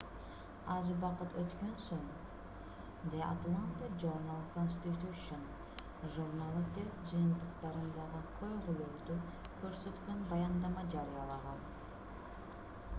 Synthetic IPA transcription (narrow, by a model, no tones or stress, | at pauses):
ɑzubɑqɯt̪ʰøt̪kønsøŋ | d̪eʔa̰t̪lˠant̪eʒoɾnalˠkonʲsʲt̪ʲit̪ʲuʃun | ʒuɾnalˠɯt̪ʰe̞zd͡ʒɯjɯnt̪ɯqt̪ɑɾɯnd̪ɑʁɯqʰojʁulukd̪y | kʰø̞ɾsø̞t̪kønbɑjɑnd̪ɑmɑd͡ʒɑɾɨjɑlˠɑʁɑlˠ